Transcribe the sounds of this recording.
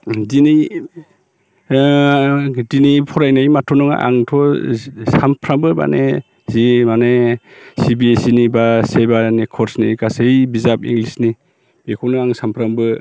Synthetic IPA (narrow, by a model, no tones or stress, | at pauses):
dini | dinipʰɔɾajnajmatʰɔnɔŋa̰ʔa̰ŋtʰɔsampʰɾambɯba̰ne | zimanesibiesinibasebanekʰɔɾsnikasejbizapḭŋɡlisni | bekʰɔwnɯaŋsampʰɾambɯ